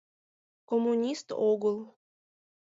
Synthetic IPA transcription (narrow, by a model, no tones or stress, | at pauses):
komːunʲist̪oɣəlˠ